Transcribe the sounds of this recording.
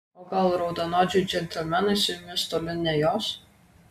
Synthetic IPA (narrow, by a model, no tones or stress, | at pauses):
oːɡɐlˠɾɒʊd̪ɐnɔːd͡ʒʲʊd͡ʒʲɛnʲt̪ʲɛlʲmʲænɐsʲɪmʲɪst̪oːlʲɪnʲɛjoːs